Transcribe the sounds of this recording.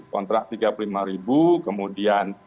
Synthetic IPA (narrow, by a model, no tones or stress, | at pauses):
kɔnt̪ɾak̚t̪iɡapululimaɾibukəmudian